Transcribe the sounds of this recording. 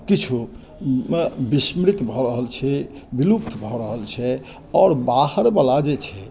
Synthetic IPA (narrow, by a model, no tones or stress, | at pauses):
kit͡ʃʰu | bismɾit̪bʱɔɾəɦəlt͡ʃʰɛ | bilupt̪bʱɔɾəɦəlt͡ʃʰɛ | ɔɾbaɦəɾbalad͡ʒet͡ʃʰɛ